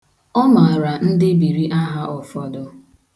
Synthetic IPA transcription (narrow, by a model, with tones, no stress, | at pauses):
ɔ˦ma˨ɾa˨n̩˦dɪ˦bi˨ɾi˦ʔa˦ɦa˦ʔɔ˨fɔ˨dɔ˨